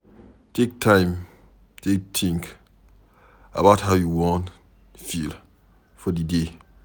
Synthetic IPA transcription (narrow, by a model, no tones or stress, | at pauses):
tek̚tʰãɪ̃m | tʰek̚tʰĩŋk | ə̰baʊthaʊjuwɔ̃n | fil | fɔdide